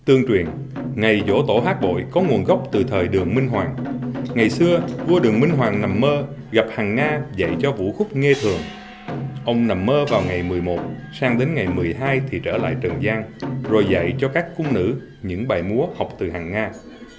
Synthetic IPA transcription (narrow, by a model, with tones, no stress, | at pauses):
t̪ɨ˧əŋt͡ɕwi˨˩ən | ŋa˨˩jzo̰˧˥t̪o˧˩haː˦˥k̚ɓo̰˧˨jkɔ˨˦ŋu˨˩ənɣɔ˦˥wk͡p̚t̪ɨ˨˩t̪ʰəː˨˩jɗɨ˨˩əŋmi˧ŋ̟ɦwaː˨˩ŋŋa˨˩jsɨ˧əvu˧ɗɨ˨˩əŋmï˧ŋ̟ɦwaː˨˩ŋna˨˩mːəː˧ | ɣa˨˩p̚haː˨˩ŋːaː˧za̰˧˨jt͡ɕɔ˧vṵ˧˥xʊ˦˥k͡p̚ŋe˧t̪ʰɨ˨˩əŋ | ʔə˧wŋ͡mna˨˩mːəː˧vaː˨˩wŋa˨˩jmɨ˨˩əjmo˨˩t̚saː˧ŋɗe˨˦nŋa˨˩jmɨ˨˩əjɦaː˧jt̪ʰi˨˩t͡ɕəː˧˩la̰ː˧˨jt͡ɕə˨˩nzaː˧ŋzo˨˩jza̰˧˨jt͡ɕɔ˧kaː˦˥kːʊ˧ŋ͡mnɨ̰˧˥ | ɲɨ̰˧˥ŋɓaː˨˩jmu˨˦əha˨˩wk͡p̚t̪ɨ˨˩haː˨˩ŋːaː˧